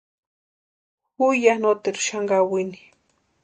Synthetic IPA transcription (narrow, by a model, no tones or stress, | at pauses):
xujanot̪eɾʊ̥ʃaŋɡawini̥